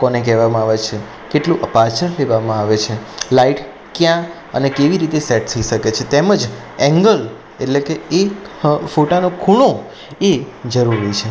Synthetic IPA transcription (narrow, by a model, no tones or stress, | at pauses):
kɔnek̬ɛʋamãaʋet͡ʃʰe | keʈlũʔəpat͡ʃəɾleʋamãaʋet͡ʃʰelaiʈ | kjã | ənekeʋiɾit̪esɛʈ̚t̪ʰəiʃəket͡ʃʰet̪eməd͡ʒ | ɛ̃ŋɡəl | eʈlekeekfoʈanokʰuɽ̃o | ed͡ʒəɾuɾɦojt͡ʃʰe